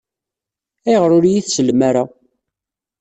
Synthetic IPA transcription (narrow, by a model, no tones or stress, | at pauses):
æjəʁɾʊɾjiθsəlmaɾa